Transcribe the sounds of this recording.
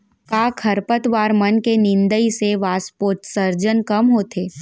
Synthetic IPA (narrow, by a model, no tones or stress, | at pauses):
kaːkʰɐɾpət̪ʋaːɾmɐnkenɪ̃nd̪əiseʋaːspoːɾʈsəɾd͡ʒənkɐmɦoːt̪ʰeː